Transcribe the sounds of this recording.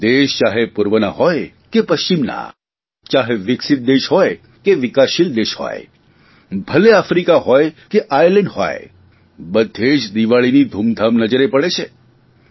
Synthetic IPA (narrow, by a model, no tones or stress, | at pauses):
d̪eʃt͡ʃaɦepuɾʋəna̰ɦɔj | kepəʃt͡ʃimna̰ | t͡ʃaɦeʋɪksɪt̪̚d̪eʃɦɔj | keʋɪkaʃild̪eʃhɔ̰j | bʱəleafɾikaɦɔjkeʔajlɛ̃ɳɖɦo̰j | bəd̪ʱːed͡ʒd̪iʋaɭinid̪ʱumd̪ʱamnəd͡ʒəɾepəɭet͡ʃʰe